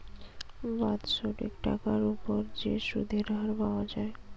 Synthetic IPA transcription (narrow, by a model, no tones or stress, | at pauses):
bat̪ʃoʈḛkʈa̰kaɾupoɾd͡ʑeʃṵd̪ʱeɾɦaɾbaoad͡ʑae